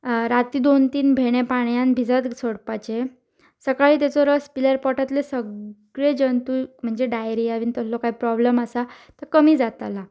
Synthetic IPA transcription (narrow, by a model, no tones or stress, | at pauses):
ɾat̪iːd̪ont̪iːnbʱeɽ̃epaɽjãnbʱid͡zat̪soɽpat͡ɕe | səkaɭiːt̪at͡sɔɾəspiləɾpɔʈat̪lesəɡɭed͡ʑənt̪um̤əɳd͡zeɖajɾiaʋiːnt̪əslɔkaɦipɾɔblemasa | t̪əɾkəmiːd͡zat̪ala